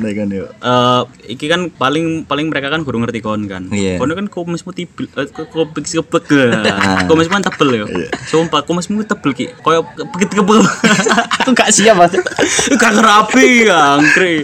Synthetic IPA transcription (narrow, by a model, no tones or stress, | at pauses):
naikanjoʔəː | ikikanpalɪŋpalɪŋməɾekakanɡoɾuŋərt̪ikɔnka̰nkɔnokankomɛsmut̪ib̥ɪlkkopɪkskəb̥ək̚əkomɛsmukant̪əb̥əljɔ̰a̰sompakuməsmukt̪əb̥əlkikojɔkəbəkət̪̚kəbəə | kuŋɡaʔsiaba | ɡakəɾapiaŋkɾi